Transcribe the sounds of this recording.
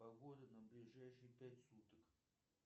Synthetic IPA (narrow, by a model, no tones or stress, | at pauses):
ɐɣod̪ənɐblʲɪʐajʂɨjpʲætʲsut̪ək